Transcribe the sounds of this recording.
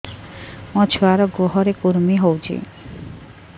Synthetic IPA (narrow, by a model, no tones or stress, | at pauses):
mɔt͡ɕʰoaɾoɡoɦɔɾekoɾmiɦowd͡ʑʰḛ